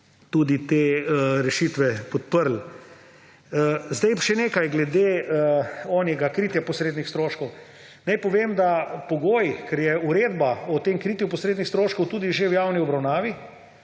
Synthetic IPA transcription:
t̪ud̪it̪eːɾɛʃiːt̪ʋɛpɔt̪pəɾl̩ | zd̪ɛjʃɛneːkajɡlɛd̪e | ɔːnjɛɡakɾiːt̪japɔsɾeːd̪nixst̪ɾoːʃkɔw | najpɔʋeːmd̪apɔɡoːjkɛɾjɛuɾeːd̪baɔt̪emkɾit̪jupɔsɾeːd̪nixst̪ɾoːʃkɔwt̪uːd̪iʒewjawniɔbɾawnaːʋi

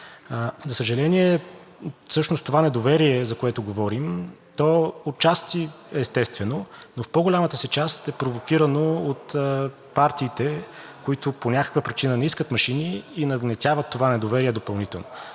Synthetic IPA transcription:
zɐsəʒɐlɛniɛ | fsɤʃnost̪ːovanɛd̪ovɛɾiɛzɐkoɛt̪ʊɡovɔɾimt̪ɔot͡ʃast̪i | ɛːst̪ɛst̪vɛnonofpɔɡolʲamət̪əsɛt͡ʃast̪ɛpɾovokiɾənoot̪ | paɾt̪iːt̪ɛkoit̪ʊponʲakə̥kvəpɾit͡ʃinənɛiskət̪mɐʃiniːnɐɡnɛt̪ʲavət̪ːovanɛd̪ovɛɾiɛd̪opɐlˠnit̪ɛlˠno

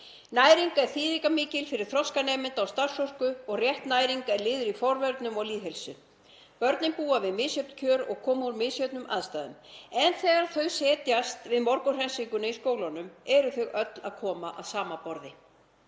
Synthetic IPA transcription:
naːjɾiŋkaɛɾ̥θiːðikamɪːcɪlfɪɾɪɾ̥θɾɔskanɛːmɪnt̪awst̪ar̥sɔr̥kʏɔɣrjɛht̪naːjɾiŋkaɛɾlɪːðʏɾifɔɾvɛɾt̪nʏmɔɣliːɦɛlsʏ | pœɾt̪nɪnpuːavɪðmɪːsjœp̚n̥cʰœːɾɔ̰ɣkʰɔːmuɾmɪːðsjœt̪nʏmʔa̰ðst̪aːðʏ̰mɛnθɛːɣaɾ̥θœɥsɛːt̪jast̪vɪðmɔɾkʏr̥ɛnsiŋkʏnaiskoːwlanʏmɛɾʏθœɣœt̪la̰ðkʰɔːma̰ʔa̰ðsaːmapɔɾðɪ

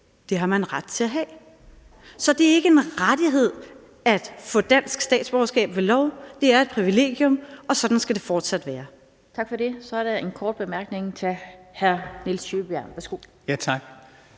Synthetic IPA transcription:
d̥e̝ɦɑ̈mænʁad̥t͡sʰe̝læɦɛ̰ː | sɒ̽d̥e̝æɐe̝ɡ̥əe̝nʁad̥iɦe̝ð̞̰ˠ | æd̥fɔ̽d̥æn̰sɡ̥sd̥ɛ̰ːd̥sb̥ɒʊɐsɡ̥ɛ̰ːb̥ʋe̝lɒʊd̥e̝æɐed̥̚pʰʁiʋile̝̰ːɡ̥jɔ̽mɒ̽sɒ̽d̥n̩sɡ̥æd̥e̝fɒːd̥sæd̥ʋæːɐ | t͡sʰɑ̈ɡ̥fɒ̽de̝sɒ̽æɐɾee̝nkʰɒːd̥̚b̥emæɐɡ̥ne̝ŋt͡sʰe̝lhæɐnelsjyb̥æɐ̰nʋæɐsɡ̥o̝jæt͡sʰɑɡ̥

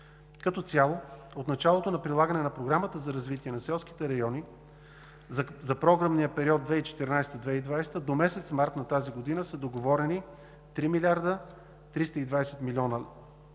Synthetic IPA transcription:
kɐt̪ɔt̪sʲalˠoot̪nɐt͡ʃalˠot̪onɐpɾilˠaɡənɛnɐpɾoɡɾamət̪əzɐɾɐzvit̪iɛnɐsɛlˠski̥t̪ɛɾɐjɔni | zɐpɾɔɡɾəmnijəpɛɾiɔd̪̚d̪vɛit͡ʃɛ̥t̪ɛɾnajst̪əd̪vɛid̪vajst̪əd̪omɛsɛt̪smaɾt̪nɐt̪aziɡod̪inəsɐd̪oɡovɔɾɛni | t̪ɾimilʲaɾd̪ə | t̪ɾist̪əid̪vaɛsɛt̪milʲiɔnə

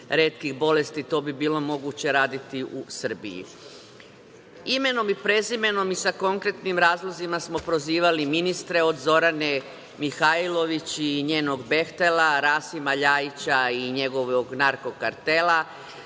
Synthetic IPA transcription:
ɾe̞ːt̪kiɣbo̞le̞st̪it̪o̞ːbibiːlo̞mo̞ɡut͡ɕe̞ɾaːd̪it̪iʔusər̩bḭjḭ | ime̞no̞mipɾe̞zime̞no̞misako̞ŋkɾe̞t̪nimɾaːzlˠozimasmo̞pɾo̞ziːʋaliminist̪ɾe̞o̞d̪zo̞ɾane̞ | mixailo̞ʋit͡ɕiɲe̞ːno̞ɡbe̞xt̪elaɾaːsimaʎaːit͡ɕaiɲe̞ɡo̞ʋoɡnaɾko̞kaɾt̪e̞la

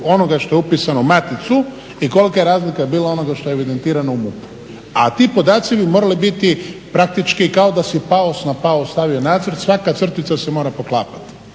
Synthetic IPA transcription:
o̞no̞ɡaʃt̪o̞eupiːsanomat̪it̪su | iko̞likajeɾaːzlikajebiːlao̞no̞ɡaʃt̪o̞eeʋid̪e̞nt̪iːɾano̞umupu̥ | at̪ipo̞d̪aːt̪sibimo̞ːɾalibit̪ipɾak̚t̪it͡ʃkikao̞d̪asipaosnapaost̪aʋio̞naːd̪zrt̪sʋakat̪sr̩t̪it̪sase̞mo̞ːɾapo̞klˠaːpḁt̪i̥

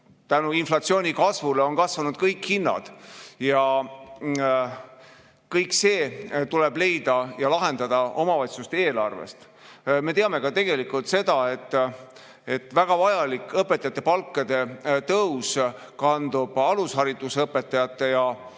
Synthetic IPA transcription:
t̪ænuinflɑt̪sio̞ːnʲikɑsvuleo̞nkɑsvɑnud̪̥kɤjkhinːɑ̰d̪̥jɑ | kɤjkːse̞ːt̪ule̞ble̞jd̪ɑjɑlɑɦe̞nd̪̥ɑd̪̥ɑo̞mɑvɑjt̪sust̪ee̞ːlɑrvḛst̪ | me̞t̪eɑme̞kɑt̪e̞ɡ̥e̞likult̪se̞d̪̥ɑe̞t̪ːˑ | e̞t̪ːˑvæɡ̥ɑvɑjɑlikːˑɤpːet̪ːˑɑjɑt̪ːˑe̞pɑlkːˑɑd̪̥e̞t̪ɤws | kɑnd̪ub̥ɑlusɦɑɾid̪̥usɤpːˑe̞t̪ːˑɑjɑt̪ːˑe̞jɑ

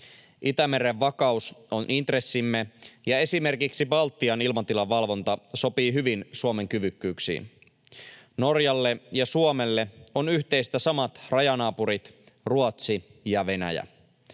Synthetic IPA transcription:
ʔit̪æme̞ɾeʋːɑkɑusonʔint̪re̞sːimːejɑe̞sime̞rkiksibɑlt̪ːiɑnilmɑnt̪ilɑʋːɑlʋo̞nt̪ɑso̞piːɦyʋinsuome̞ŋkyʋykːyːksḭːn | no̞rjɑlːe̞jɑsuomelːeo̞nyht̪e̞jst̪æsɑmɑt̪rɑjɑnɑːpuɾit̪ | ruot̪sijɑʋe̞næ̰jæ̰

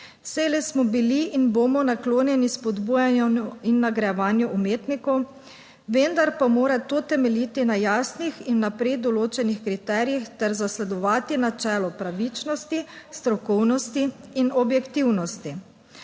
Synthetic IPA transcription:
sɛlɛsmɔbiliʔinboːmɔnakloːnjɛnispɔd̪buːjanjɔuinːaɡɾɛjɛʋaːnjuʔumeːt̪nikɔw | ʋend̪aɾpamoːɾat̪ot̪ɛmɛlit̪inajaːsnixinːapɾɛd̪ɔloːt͡ʃɛnixkɾit̪ɛːɾijixt̪ɛɾzaslɛd̪ɔʋaːt̪inat͡ʃɛːlɔpɾaʋit͡ʃnɔst̪ist̪ɾɔkɔwnɔst̪iːnɔbjɛkt̪iwnɔst̪i

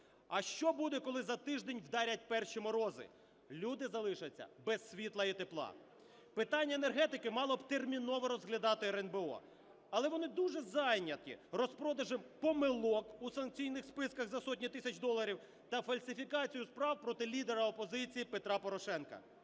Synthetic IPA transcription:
ɐʃt͡ʃɔbud̪ɛkɔlˠɪzɐt̪ɪʒd̪ɛnʲʋd̪ɑɾʲɐt̚ʲpɛrʃimɔɾɔzɪ̰ | lʲud̪ɪzɐlˠɪʃɐt͡sʲːɐ̰bɛsːʲʋʲit̪lˠɐit̪eplˠɑ̰ | pɪt̪ɑnʲːɐenerɦɛt̪ɪkɪmɑlˠɔbt̪ermʲinɔʋɔɾɔzɦlʲɐd̪ɑt̪ɪɾɛnbeɔ̰ | ɐlˠɛʋɔnɪd̪uʒɛzɑjnʲɐt̪̚kʲḭrɔspɾɔd̪ɐʒɪmpɔmɪlˠɔkusɐnk̚t͡sʲijnɪxspɪskɐɣzɐsɔtʲnʲit̪ɪsʲɐt͡ʃd̪ɔlˠɐɾʲiw | t̪ɐfɐlʲsʲɪfʲikɑt͡sʲijʊspɾɑwpɾɔt̪ɪlʲid̪eɾɐɔpɔzɪt͡sʲijipet̪ɾɑpɔɾɔʃɛnkɐ̰

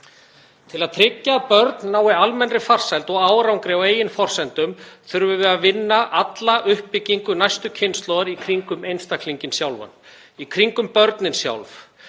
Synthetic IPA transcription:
t̪ʰɪlaðt̪ʰɾɪcːapœɾt̪nːaːwɪalmɛnrɪfar̥sajlt̪ɔɣaːwɾawŋkɾɛweːjɪnfɔr̥sɛnt̪ʏmθʏɾvʏvɛðavɪnːaʔat̪laʔʏhpːɪciŋkʏnajst̪ʏcʰɪnst̪lɔðaɾikʰɾiŋkʏmejnst̪akʰliɲcɪnsjawlva̰n | ikʰɾiŋkʏmpœɾt̪nɪnsja̰wlf

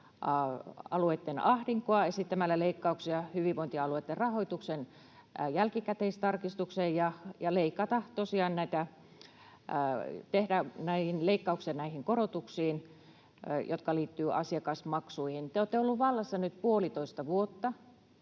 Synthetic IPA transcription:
ɑɑ̰luet̪ːenɑhriŋkoɑesit̪ːæmælːæleikːɑuksiɑhyʋiʋʋoint̪iɑluet̪ːerrɑhoit̪uksen | jælkikæt̪eist̪ɑrkist̪uksejjɑjɑleikːɑt̪ɑt̪osiɑːnnæit̪æ | t̪ehdænæihinleikːɑuksiɑnæihiŋkorot̪uksiːn | jʔot̪kɑliːt̪ːyːʔɑsiɑkɑsmɑksuihint̪eoˑːt̪ːeolːuʋʋɑlːɑsːɑnyt̪puolit̪oist̪ɑʋuot̪ːɑ

